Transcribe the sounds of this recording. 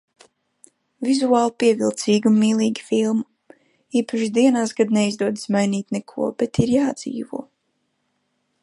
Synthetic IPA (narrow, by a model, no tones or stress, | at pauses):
vizuaːlˠpiɛvilˠt̪siːɡunːiːlˠiːɡʲi̥filˠmu | iːpaʃid̪iɛnaːsɡad̪nɛizd̪uɔd̪smajniːt̪nɛkʰuɔbɛt̪iɾjaːd̪z̥ḭːvuɔ